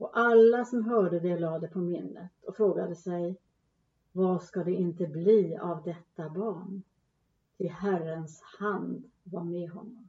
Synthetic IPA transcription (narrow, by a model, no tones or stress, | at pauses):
ɔʔalːasɔmɦœːɖəd̪ɛlɑːd̪ɛpʰɔmɪnːət̪ɔfɾoːɡad̪əsɛj | vaskad̪ɛɪnt̪əbliːavd̪ɛt̪ːabɑːɳ | t̪ʰɪlɦærənshand̪vaɾmeɦɔnːɔm